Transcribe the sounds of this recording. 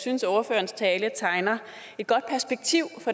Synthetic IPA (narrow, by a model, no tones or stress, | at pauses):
synsɔʊɐføɐn̩st͡sʰɛːlət͡sʰɑ̈ɪnɐ | e̝d̥̚ɡ̥ɒ̽d̥̚pʰæɐsb̥eɡ̥̚t͡sʰiʊ̰fɒ̽